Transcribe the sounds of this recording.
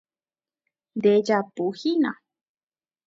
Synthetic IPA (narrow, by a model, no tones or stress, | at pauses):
nd̪ed͡ʒapuhinã̰